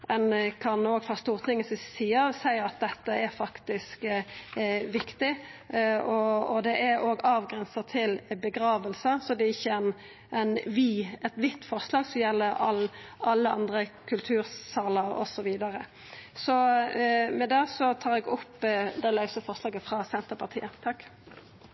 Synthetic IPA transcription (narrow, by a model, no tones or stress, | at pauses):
ɛnkʰɑnoːɡfɑst̪uːʁt̪ʰɪŋːəsɪsiːəsæɪɑt̪̚d̪ɛt̪ːəɛɾfɑkt̪ɪsk | ʋɪkt̪ɪ | ɔɔd̪ɛʔɛɾoːɡɑːʋɡʁɛnsət̪ʰɪlbəɡɾɑːʋəlsəsɔd̪ɛɪçːəɛn | ʔɛnʋiɛt̪ʋɪt̪ːfɔʁslɑːɡsɔmjɛlːəɑlʔɑlːəɑ̰nd̪ʁəkʰʉlt̪ʰʉːɾsɑːləɾɔ̰sɔʋiːd̪ɑʁə | sɔ | mɛd̪ɛːsɔt̪ʰɑːɾɛɡʊpːd̪ɛlɑʉsəfɔʁslɑːɡəfʁɑsɛnt̪əpʰɑʁt̪ʰḭːət̪ʰɑkː